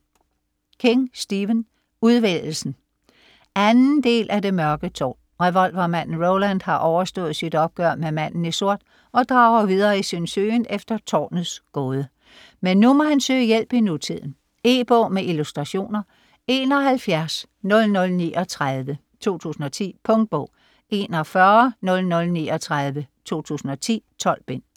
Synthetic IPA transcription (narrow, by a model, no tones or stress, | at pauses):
kʰe̝ŋsd̥iʋən | uðˠʋell̩sn̩ | ænn̩d̥e̝̰ːlʔæd̥e̝mɶɐɡ̥ət͡sʰɒ̰ː | ʁɛʋɒ̽l̰ʋɐmæn̰n̩ʁoʊlænd̥hɑ̈ʔɒʊɐsd̥ɔ̰̽ːð̞̩ˠsid̥ɒ̽b̥̚ɡ̥ɶɐ̰memæn̰n̩iso̝ɐ̰d̥ | ɒ̽d̥ʁɑ̈ːʊɐʋiðˠɐːisønsø̰ːnefd̥ɐt͡sʰɒ̰ːnð̩ˠsɡ̥oːð̞ˠə | menːumɒhænsø̰ɪjel̰b̥inut͡sʰið̞̰ˠn̩ | e̝ːb̥ɔːmeʔilusd̥ʁɑ̈ɕo̝̰ːnɐ | e̝ːnɒ̽ɦælfjæɐs | nɔ̽lnɔ̽lniːʔɒ̽t͡sʰʁaðˠʋə | t͡sʰo̝̰ːt͡sʰṵːsn̩ɒ̽t͡sʰḭːpʰɔ̽ŋd̥̚b̥ɔ̰ʊ̰ | e̝nɒfɶɐnɔ̽lnɔ̽lnḭːɒt͡sʰʁaðˠʋət͡sʰo̝̰ːt͡sʰṵːsn̩ɒ̽t͡sʰḭːt͡sʰɒ̽l̰b̥e̝n̰